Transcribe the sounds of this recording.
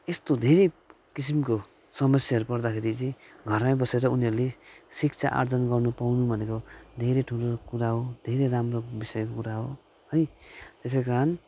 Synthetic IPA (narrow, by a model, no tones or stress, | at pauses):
est̪od̪ʱeɾe | kis̬imko | sʌmʌsjaɦʌɾupʌrd̪akʰeɾit͡sĩɡʱʌrmajbʌseɾʌuniɦʌɾulesikt͡sʰa̰ʔa̰rd͡zʌnɡʌrnupawnubʱʌnekod̪ʱeɾeʈʰulokuɾaɦod̪ʱeɾeɾamrobisʌjkokuɾaɦo | ɦʌjt̪es̬ekaɾʌn